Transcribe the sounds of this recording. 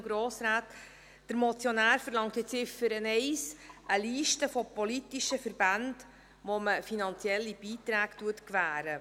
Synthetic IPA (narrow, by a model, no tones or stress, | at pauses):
ɡɾoːsɾaːt | d̥əɾmɔt͡sjonæːɾfəɾlɑŋtɪt͡sɪfəɾənɛɪsʔəliːʃtəfopolitiʃəfəɾb̥and | ʋoməfinɑnt͡sjɛlːib̥iːt̪ɾæːktuətkvæːɾə